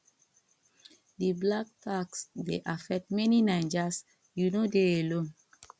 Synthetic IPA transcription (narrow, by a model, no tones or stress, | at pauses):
diblaktʰaksdḛʔafɛk̚tmɛninãɪd͡ʒas | junodeelõn